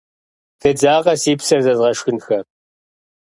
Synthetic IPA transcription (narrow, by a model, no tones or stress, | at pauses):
tʰɐd͡zaːʁɐsiːpsɐrzɐzʁɐʃxɨnxɐ